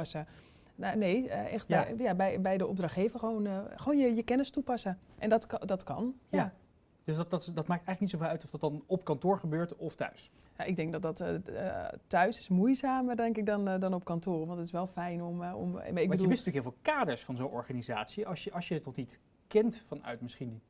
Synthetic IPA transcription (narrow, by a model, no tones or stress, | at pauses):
sə | naneːəɛxt̚bɛjabɛjbɛjdəɔp̚drɑχeːvəχʋoːnxəʋoːnjəjəkɛnəstupɑsəʔɛndɔtdɔtkɑ̰nja | d̥øsdɑtdɑtmaːk̚tɛjxləknitsofɛːlˠœɥtɔfdɑt̚dɑnɔpkɑntʊːɹχəbøːɹtɔftœ̰ɥs | jaʔɪɡ̚dɛŋk̚dɔt̚dɔtː | tœɥsɪsmujzaːmərdɛŋkɪk̚dɔndɔnɔp̚kɑntoːrʋɑntətɪsʋɛlˠfɛjnɔmɔ̰m̰maɪɡəduəumɪsntyəkɦɪːlˠvːlˠkaːdəɹsfɑnzownʔɔ̰ɹχaniza̰ːtsiɑsjəʔɑsjəətnɔχnit | kɛntfɑnœ̰ɥtmɪsχindi